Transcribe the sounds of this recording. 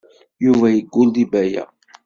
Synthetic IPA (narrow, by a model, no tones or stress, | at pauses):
juvæjəɡʷːʊld̪ibæjæ̰